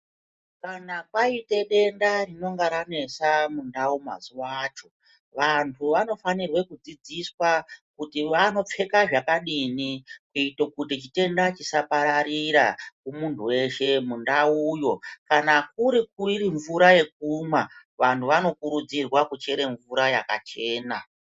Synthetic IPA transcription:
kanapaite̞ɗe̞ndarino̞ŋɡaɾane̞samundauma̰ziwaːt͡ʃo̞ | ʋantʰuʋano̞fanirwe̞kud͡zid͡ziswakutiʋano̞p͡fe̞kaʐakaɗinikuitokutit͡ʃite̞ndat͡ʃisapaɾaɾiɾa̰kumuntʰuwe̞ʃe̞mundauːjo̞kanak̚uɾikuiriɱvuɾaje̞k̚uma | ʋantʰuʋano̞kuɾud͡zirwakut͡ʃe̞ɾe̞ɱvuɾajaka̰t͡ʃe̞ːna

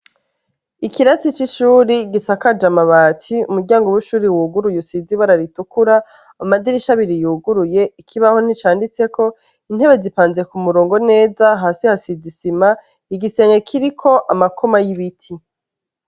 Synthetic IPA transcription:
ikiɾat͡sit͡ʃiʃuːɾiɡisakad͡ʒamaβaːtʰiumuɾɟaːŋɡoβuʃuːɾiwuːɡuɾujusiziβaɾaɾitukuɾa | amadiɾiʃaβiɾijuːɡuɾuje̞ikʰiβaho̞n̥it͡ʃaːndit͡se̞ko̞ | in̥he̞βe̞zipaːnze̞kumuɾoːŋɡo̞ne̞ːzaɦaːsihasizisima | iɡise̞ːŋɡekʰiɾikʰo̞ʔamakʰo̞majiβitʰi

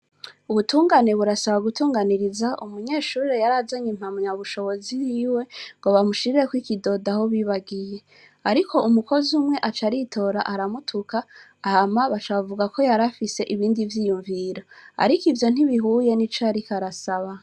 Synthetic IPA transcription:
uβutuːŋɡane̞βuɾasaβaɡutuːŋɡaniɾizaʔumuɲe̞ːʃuːɾɾejaɾazaɲim̥hamɲaβuʃo̞βo̞zijiwe̞ŋɡo̞βamuʃiɾiɾekwikido̞daho̞βiːβaɡije̞ | aɾikʰo̞ʔumuko̞zumŋe̞ʔat͡ʃaɾitʰo̞ɾaʔaɾamutʰukaː | hamaβat͡ʃaβavuɡakʰo̞jaɾafise̞ʔiβiːndivjiːjuɱviɾaa̰ɾikivjo̞n̥iβiɦuːje̞nit͡ʃaɾikaɾasaβa

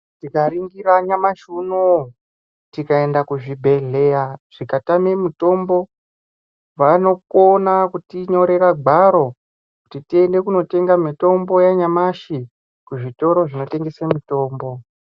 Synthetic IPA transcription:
tikaɾiŋɡiɾaɲamaʃunu | tikae̞ndakuʐibʱe̞ɮe̞jaʐ̥ikatame̞muto̞mbo̞ | ʋano̞konakutiɲo̞ɾe̞raɡ͡bʱaɾo̞ | kutitiende̞kuno̞te̞ŋɡamito̞mbo̞jaɲamaʃi | kuʐito̞ɾo̞ʐino̞te̞ŋɡe̞semito̞ːmbo̞

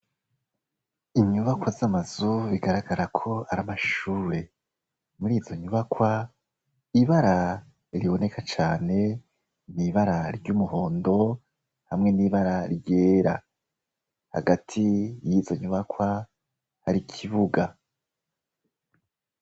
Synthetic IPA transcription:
iɲuβakwazamaz̥uβiɡaɾaɡaɾakʰo̞aɾamaʃuːɾe̞ | muɾiːzo̞ɲuβakwa | iβaɾa | ɾiβo̞ne̞kʰat͡ʃaːne̞ | niβaɾaɾɟuːmuɦo̞ːndo̞ | hamŋe̞niβaɾaɾɟe̞ːɾa̰ | ha̰ɡatʰijizo̞ɲuβakwa | haɾikʰiβuɡa

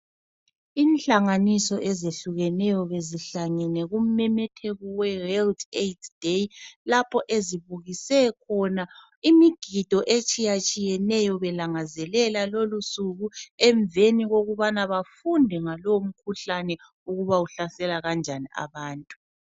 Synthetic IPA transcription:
iːnt͡ɬaŋanisɔʔɛzeɬuɣɛnɛjɔβeziɬaŋɛnɛɣum̩mɛmɛtʰeɣɔwɛwɛltʰetʰd̥ejlapʰɔʔeziβuɣisɛkʰɔna | imiɡ̥ʱid̥ʱɔʔet͡ʃʼijat͡ʃʼijɛnɛjɔβɛlaŋazɛlɛlalolusuɣuɛɱveniɣoɣuβanaβafundʱɛŋalɔwom̩kʰuɬanɛ | uɣuβauɬasɛlaɣand͡ʒʱaniʔa̰βaːntʼu̥

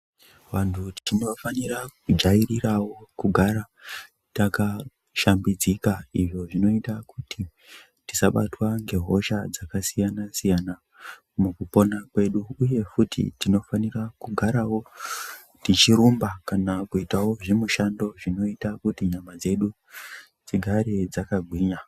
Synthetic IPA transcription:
ʋantʰutinofanirakud͡ʒairirawo̞kuɡʱaɾa | taka | ʃambid͡zikaiʐo̞ʐino̞itakutʰi | tisaɓatwaŋɡe̞ɦo̞ʃad͡zakasijanasijana | mukupo̞nakwe̞ɗuːje̞futḭtino̞fanirakuɡʱaɾawo̞ | tit͡ʃiɾumbakanakuitawo̞ʐemuʃando̞ʐino̞itakutiɲamad͡ze̞ɗu | d͡ziɡʱaɾe̞d͡zakaɡʱwiːɲa

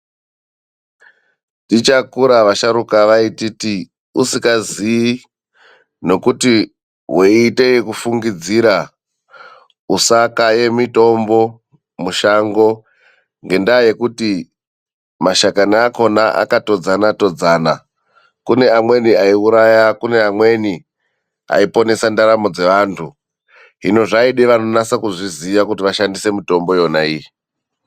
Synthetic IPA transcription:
tit͡ʃakuɾaʋaʃaɾukaʋaititi | usikazii | no̞kuti | ɦweːte̞jekufuŋɡid͡ziɾa | usakaje̞mito̞mbo̞ | muʃaŋɡo̞ | ŋɡe̞ndaːje̞kuti | maʃakaniako̞naʔa̰kato̞d͡zanato̞d͡zaːna | kune̞amwe̞niaiuɾajakune̞amwe̞ni | a̰ipo̞ne̞sandaɾamo̞d͡ze̞ʋaːntʰu | ɦḭno̞ʐaiɗeʋano̞nasakuʐiziʋakutiʋaʃandise̞mito̞mbo̞jo̞naii

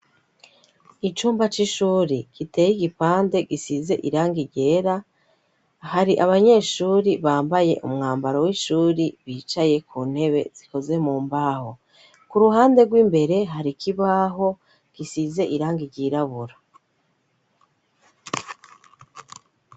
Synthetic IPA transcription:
it͡ʃuːmbat͡ʃiʃuːɾikite̞ːjiɡipaːnde̞ɡisize̞̰ʔiɾaːŋɡiɟe̞ːɾa | haɾiʔaβaɲe̞ːʃuːɾiβaːmbaje̞̰ʔṵmŋaːmbaɾowiʃuːɾiβiːt͡ʃaje̞kʰuːn̥he̞βe̞̰z̥iko̞ze̞muːmbaːho̞ | kuɾuɦaːnde̞ɡwiːmbe̞ɾe̞ɦaɾikʰiβaːɦo̞ | ɡ̥isize̞ʔiɾaːŋɡiɟiɾaβuɾa

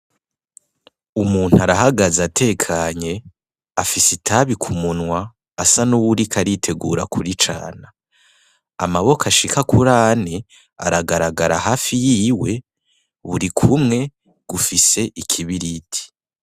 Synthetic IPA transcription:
umuːn̥uaɾaɦaɡazatʰe̞ːkʰaːɲe̞ | afisitʰaβikʰumunwaː | sanuwuɾikʰaɾitʰe̞ɡuɾa̰kʰuɾit͡ʃa̰ːna | a̰maβo̞kʰaʃikakuɾaːni | a̰ɾaɡaɾaɡaɾahaːfijiːwe̞ | βuɾikʰumŋe̞ | ɡ̥ufise̞ʔikʰiβiɾitʰi̥

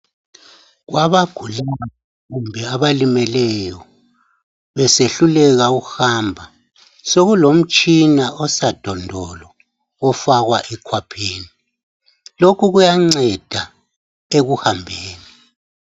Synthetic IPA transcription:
ɣwʔaβaɡ̥ʱulaa | ɣumbʱɛaβalimɛlɛjɔ | βɛseɬulɛɣaɣuhambʱa | soɣulom̩t͡ʃʼinaʔɔsad̥ʱɔndʱɔlɔ | ɔfaɣwaʔɛkʰwapʰiːni | lokʰuɣujaŋ͡ǀɛd̥ʱa | eɣuhambʱeːni

